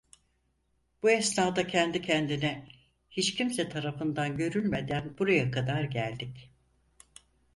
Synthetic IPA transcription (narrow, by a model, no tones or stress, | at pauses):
b̥uɛsnaːd̪acʰɛnd̪icʰɛnd̪inɛ | hit͡ʃcʰimsɛt̪ʰaɾafɯnd̪anɟø̞ɾylʲme̞d̪ænbuɾajakʰad̪aɾɟælʲd̪ic